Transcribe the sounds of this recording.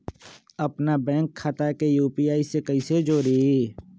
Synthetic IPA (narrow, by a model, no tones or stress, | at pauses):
ɐpnabɛ̃ːŋkʰːat̪akejuːpiːaːisekəised͡ʒoːɾieː